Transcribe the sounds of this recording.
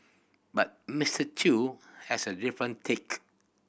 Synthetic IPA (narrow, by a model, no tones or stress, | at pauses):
bat̚mɪstətʰuhɛsədifɹə̃ntʰek